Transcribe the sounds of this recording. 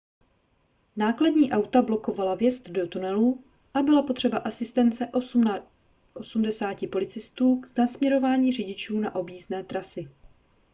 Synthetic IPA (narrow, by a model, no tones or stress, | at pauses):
naːkladɲiːʔawt̪ablo̞ko̞valavjɛst̪do̞t̪unɛlu | ʔabɪlapot̪r̝̥ɛbaʔasɪst̪ɛnt͡sɛʔ | ʔosumdɛsaːcɪpo̞lɪt͡sɪst̪uːɡznasmɲɛɾo̞vaːɲiːrɪɟɪt͡ʃuːnaʔo̞bjiːznɛːt̪ɾasɪ